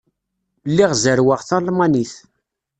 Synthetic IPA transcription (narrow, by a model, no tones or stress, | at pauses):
lːiʁzəɾwəʁθɑlmɑniθ